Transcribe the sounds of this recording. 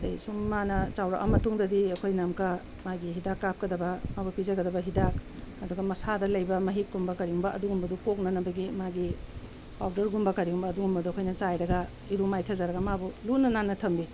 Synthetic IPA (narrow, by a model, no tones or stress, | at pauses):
dɐjsumːanɐt͡ʃawɾa̰ʔɐ̰mɐtuŋdɐdiɐkʰojnamkɐ | maɡiɦidakːap̚kɐdɐbɐmabupizɐɡɐdɐbɐɦidakɐduɡɐmɐsadɐlɐjbɐmɐɦik̚ɡumbɐkɐɾiumbɐʔɐduɡumbɐdukok̚nɐnɐbɐɡimaɡi | pawdɐɾɡumbɐkɐɾiumbɐɐduɡumbɐduɐkʰojnɐt͡ʃajɾɐɡɐ | iɾumajtʰɐzaɾɐɡɐmabulunɐnanːɐtʰɐmbi